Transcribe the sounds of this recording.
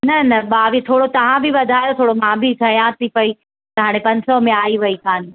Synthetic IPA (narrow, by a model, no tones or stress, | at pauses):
nɐnɐɓaːʋit̪ʰoːɽot̪ɐʋ̤ãbɪʋɐd̪ʱaːjot̪ʰoːɽomãbʱɪt̪ʰɐjãt̪ʰipɐi | t̪ɐɦaːɽ̃ẽpɐ̃ɲsɔmẽaːiʋɐikaːn